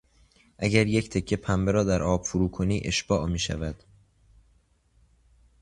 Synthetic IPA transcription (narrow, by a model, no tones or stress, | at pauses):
ʔæɟæɾje̞cʰt̪ʰe̞cʰːe̞pʰæmbeɾɒːd̪æɾʔɒːb̥fuɾuːkʰo̞niːʔe̞ʃb̥ɒːʔmiːʃæ̰væd̪̥